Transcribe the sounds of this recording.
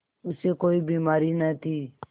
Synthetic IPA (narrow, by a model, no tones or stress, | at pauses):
ʊseːkoːiːbiːmaːɾiːnɛːt̪ʰiː